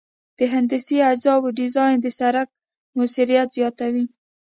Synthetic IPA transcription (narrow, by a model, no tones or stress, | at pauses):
d̪̥əɦɪnd̪ɪsiad͡ʒzɑbəɖɪzɑjnd̪əsaɾak̚ | musiɾijat̪z̥jɑt̪awi